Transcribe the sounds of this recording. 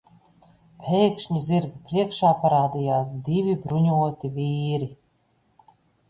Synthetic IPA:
pʰʲɛjkʃɲizʲiɾɡpɾiɛkʃaːpaɾaːd̪ʲijaːs̬d̪ivʲibɾuɲuɔt̪ivʲiːɾi

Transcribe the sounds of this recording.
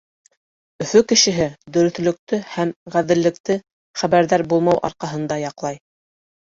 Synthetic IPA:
ɵ̆fɵkɘ̆ʃɘ̆ɦɘd̪ɵ̆ɾɵ̆θlɵ̆k̚t̪ɵhæmʁæðɘ̆lːɘ̆kt̪ɘ | χæβæɾðæɾbulˠmɑwʔɑ̰ɾqɑɦɤ̆nd̪ɑjɑqlˠɑj

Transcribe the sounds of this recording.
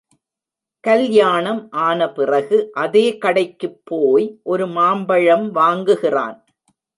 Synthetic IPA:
kɐljaːɳɐmʔaːnɐpɪrɐɣɯʔɐðeːkɐɽɐɪkːɯpʰːoːjʔɔɾɯmaːmbɐɻɐmʋaːŋɡɯɣɪra̰ːn

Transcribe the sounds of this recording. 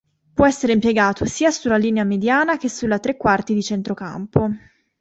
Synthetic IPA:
pwɔɛsːeɾeimpjeɡaːt̪ʰosiːasulːaliːneamed̪jaːnak̟esulːat̪ɾekːwart̪id̪it͡ʃent̪ɾoka̰mpo

